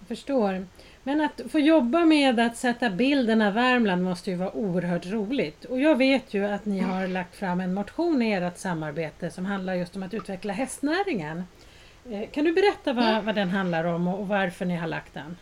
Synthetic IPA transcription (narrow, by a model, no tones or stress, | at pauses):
fœʂʈoːɾ | mɛnat̪foːjɔbːameːd̪at̪sɛt̪ːabɪld̪ənavvæɾmlanmɔst̪əjɵvɑːaʔuːəɾɦœːʈɾuːlɪɡt̪ɔjɑːɡveːt̪ʰjɵat̪nɪɦaɾlak̚t̪fɾamːɛnmʊt̪ɧuːnɪeːɾat̪samːaɾbeːt̪əsɔmɦand̪laɾjɵst̪ɔmat̪ʉ̟ːt̪vɛklaɦɛst̪næːɾɪŋən | kʰand̪ɵbɛɾɛt̪ːavavad̪ɛnɦand̪laɾɔmɔːvaɾfœɳɪɦaɭa̰k̚t̪̚d̪ɛ̰n